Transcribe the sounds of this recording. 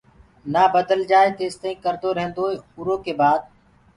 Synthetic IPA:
naːbəd̪əld͡ʒaːeːt̪eːɪst̪aĩːkəɾd̪oːɾəɦnd̪oːeːʊɾoːkeːbaːd̪̚

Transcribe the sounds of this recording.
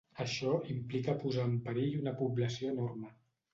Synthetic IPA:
əʃɔimplikəpuzaəmpəɾeʎunəpubləsioənormə

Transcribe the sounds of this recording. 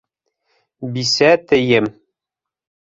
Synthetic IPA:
bisæt̪ɘ̆jɘm

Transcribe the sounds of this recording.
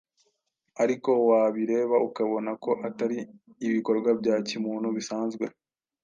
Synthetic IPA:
aɾiko̞waβiɾe̞ːβaukaβo̞nako̞ʔataɾiː | βiko̞ɾɡwabɟaːcimuːn̥huβisaːnzɡwe̞

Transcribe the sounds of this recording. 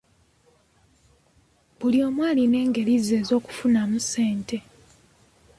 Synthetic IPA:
bulio̞ːmwaːline̞ːŋɡe̞lize̞ːzo̞ːku̥funamuse̞ːnte̞

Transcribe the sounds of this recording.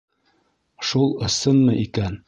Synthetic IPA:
ʃulˠɤ̆sɤnmɤʔikæn

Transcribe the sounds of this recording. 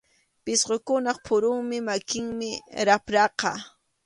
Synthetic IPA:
pɪsɢokʊnɑχpʰʊɾʊŋmɪmakɪŋmɪɾapɾɑqɑ̰

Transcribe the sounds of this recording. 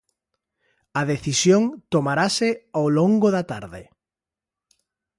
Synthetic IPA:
aðeθisjoŋt̪omaɾasɪawloŋɡoðat̪a̰ɾðɪ̰

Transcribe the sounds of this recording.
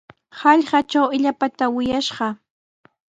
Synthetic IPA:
hɑʎɢɑt͡ʃawɪʎapat̪awɪjaʃɢɑ

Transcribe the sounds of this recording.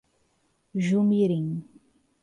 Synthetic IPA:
ʒumiɾiŋ

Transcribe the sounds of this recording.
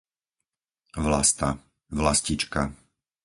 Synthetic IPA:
ʋlast̪a | ʋlascit͡ʃka

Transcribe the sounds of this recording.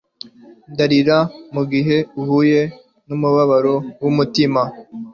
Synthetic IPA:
daɾiɾamuɡiɦe̞uhuje̞ | numuβaβaɾo̞wumutima

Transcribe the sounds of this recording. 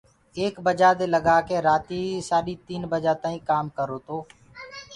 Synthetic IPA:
eːkbəd͡ʒaːd̪eːləɡaːkeːɾaːt̪iːsaːɗiːt̪iːnbəd͡ʒaːt̪aːĩːkaːmkəɾoːt̪oː

